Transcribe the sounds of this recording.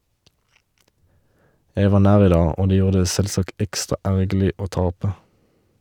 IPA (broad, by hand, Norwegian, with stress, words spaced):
ˈjæɪ ˈʋɑː ˈnæːʁ ˈiː ˈdɑː ˈoː ˈdeː ˈjuːʁ ˈdeː ˈsɛlˌsɑkt ˈɛkstʁɑ ˈæʁɡl̩ɪ ˈoː ˈtɑpə